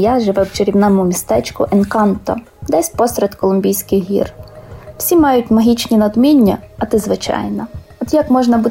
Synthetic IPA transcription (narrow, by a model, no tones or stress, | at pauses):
jaʒeʋɛwt͡ʃeɾʲiwnɑmʊmʲist̪ɛt͡ʃkʊʔenkɑnt̪ɔ̰ | d̪ɛsʲpɔsɾʲɛt̪kɔlˠʊmʲbʲijsʲkɪjɦḭrw̥sʲimɑjʊtʲmɐɦʲit͡ʃnʲinɐd̪mʲinʲːɐɐt̪ɪzʋɪt͡ʃɑ̰jnɐ | ɔd̪jakmɔʒnɐbu